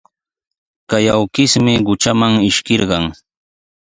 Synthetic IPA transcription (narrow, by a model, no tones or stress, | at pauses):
kajawkɪsmɪɢʊt͡ʃamaŋɪʃkɪɾɢɑŋ